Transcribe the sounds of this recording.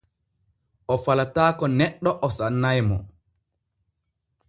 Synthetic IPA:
ʔɔfalataːkɔnɛɗːɔʔɔsanːajmɔ̰

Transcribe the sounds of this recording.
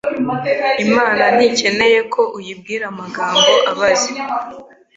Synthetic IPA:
imaːnanice̞ne̞je̞kʰo̞ʔujibɡiːɾamaɡaːmbo̞ʔʔaβazi

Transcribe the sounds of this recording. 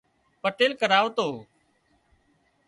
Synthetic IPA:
pəʈeːlkəɾaːʋt̪oː

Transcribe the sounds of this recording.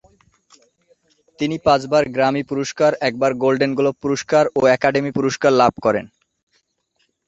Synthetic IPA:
t̪inipãt͡ɕbaɾɡɾamipuɾoʃkaɾɛk̚baɾɡolɖenɡulopːuɾoʃkaɾoɛkaɖemipuɾoʃkaɾlab̚ʱkɔɾḛn

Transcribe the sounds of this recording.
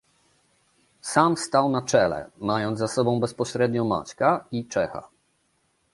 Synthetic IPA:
samfst̪awnat͡ʂɛlɛ̰majɔnd̪zasɔbɔ̃w̃bɛspɔɕɾɛd̪ɲɔma̰t͡ɕkait͡ʂɛxa̰

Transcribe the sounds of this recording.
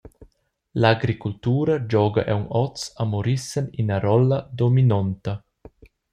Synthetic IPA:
laɡɾikult̪uːɾɐd͡ʒɔːɡɐʔɛwnɔt͡samoɾisəninaɾɔlːɐd̪ominɔnt̪ɐ

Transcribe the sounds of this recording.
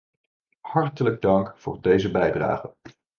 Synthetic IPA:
hɑɹtələɡ̚dɑŋkfʊ̰ːɹdejzəbɛjdra̰ːχən

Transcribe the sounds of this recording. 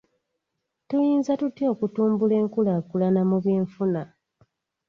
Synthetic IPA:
tujiːnzatutjo̞ːkutuːmbule̞ːŋkulaːkulanamuβjeːɱfuna

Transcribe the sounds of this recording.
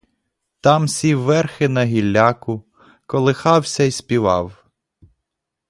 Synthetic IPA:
t̪ɑmsʲiʋːɛrxɪnɐɦʲilʲːɑkʊ | kɔlˠɪxɑwsʲɐjspʲiʋɑ̰w

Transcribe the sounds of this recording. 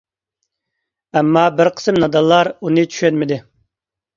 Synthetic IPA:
ɛmːɑbɪɾqʰə̥sɨmnɑd̪ɑlˠːɑɾunɨt͡ʃʰy̥ʃɛnmɪd̪ɪ

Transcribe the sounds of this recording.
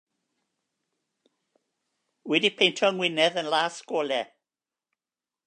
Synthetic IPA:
wɛdipʰejntʰɔəŋwɪnɛðənlˠaːskoːlɛ

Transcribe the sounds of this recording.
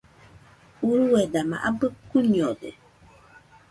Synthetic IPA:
uɾuwɛdama̰ʔabəkuniɔdɛ̰

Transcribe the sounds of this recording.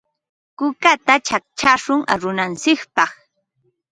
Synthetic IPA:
kʊkat̪at͡ʃak̚t͡ʃaʃʊŋʔa̰ɾʊnant͡sɪkpɑχ

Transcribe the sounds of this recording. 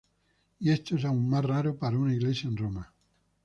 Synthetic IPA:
iest̪oesaummasraɾopaɾaunaiɣlesjaẽnroma

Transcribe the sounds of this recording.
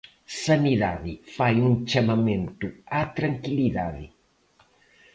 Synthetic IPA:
sɐniðaðɪfajũŋt͡ʃamɐmẽnt̪uat̪ɾɐŋkiliðaðɪ̰

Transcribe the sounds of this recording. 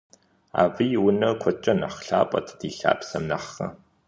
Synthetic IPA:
a̰ːvijwʊnɐkʷʰɔt͡ʃʼɐnɐχɬaːpʼɐ̰tʰd̥iːɬa̰ːpsɐmnɐχɐ̰

